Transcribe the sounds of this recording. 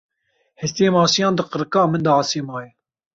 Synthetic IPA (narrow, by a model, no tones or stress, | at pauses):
hɛst̪eːmɑːsijɑ̃ːnd̪ɨqəɾɨkɑːmɨnd̪ɑːseːmɑːjɛ